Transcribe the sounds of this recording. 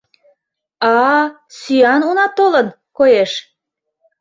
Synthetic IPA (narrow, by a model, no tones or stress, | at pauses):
ɑ | syɑnunɑt̪olən | kojeʃ